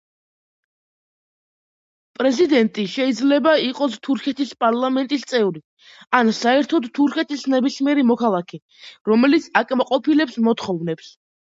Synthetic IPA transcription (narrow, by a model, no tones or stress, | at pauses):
pʼɾɛzid̪ɛnt̪ʼiʃɛid̪zlɛbaiqʼɔst̪ʰuɾkʰɛt̪ʰispʼaɾlˠamɛnt̪ʼist̪sʼɛvɾi | ansaɛɾt̪ʰɔd̪t̪ʰuɾkʰɛt̪ʰisnɛbismiɛɾimɔkʰalˠakʰɛ | ɾɔmɛlit̪sʰakʼmaqʼɔpʰilɛpsmɔt̪χɔvnɛps